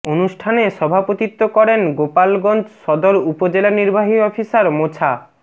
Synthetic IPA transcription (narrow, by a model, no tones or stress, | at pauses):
onuʃʈʰaneʃɔbʱapot̪it̪ːokɔɾenɡopalɡɔnd͡ʑʃɔd̪oɾupod͡ʑelaniɾbaɦiɔfʰisaɾmot͡ɕʰa